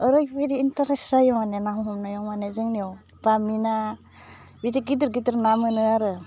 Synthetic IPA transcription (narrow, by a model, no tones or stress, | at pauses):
ɯɾɯjbeɾiːntaɾesɾajɔmanenaɦɔɦɔmnajɔmanezɯŋnijɔw | b̥amina | bidiɡidɯɾɡidɯɾnamɯnɯaɾɯ